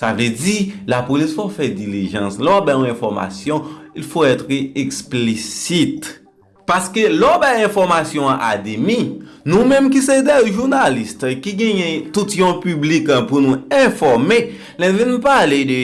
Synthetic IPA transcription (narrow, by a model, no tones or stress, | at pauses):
savød͡zilapolisfofɛdiliʒɑ̃slɔbajɔ̃ɛ̃fɔʁma̰sjɔ̃ilfoɛt̪ʁəeksplisit̪ | paskelɔbajɛ̃fɔʁmasjɔ̃ãʔa̰d̪emĩnũmɛ̃mkised̪ɛʒuʁnalist̪kiɡɛ̃jɛ̃t̪ut̪jɔ̃pyblikãpunũɛ̃fɔʁme | lɛnũvinũpaled̪ø